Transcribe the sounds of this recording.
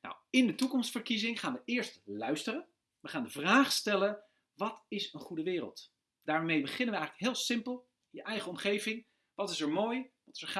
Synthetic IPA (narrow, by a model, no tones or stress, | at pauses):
na̰wɪndətukɔmstfəɹkizɪŋχaːnʋəɪːɹstlœɥstərən | ʋəχaːndəvraːχstɛlən | ʋɑtɪsənχudəʋɪːrə̰lˠt | d̥aːɹmejbəχɪnənʋəɛjχələkɦɪːlˠsɪmpəlˠ | ɪnjəʔɛjχəɔmχejvɪŋ | ʋɑtɪsɛɹmoːjʋɑtɪ̥sɛɹχ